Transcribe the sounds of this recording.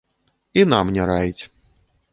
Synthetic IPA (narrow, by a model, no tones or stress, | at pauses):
inamnʲɛɾajit͡sʲ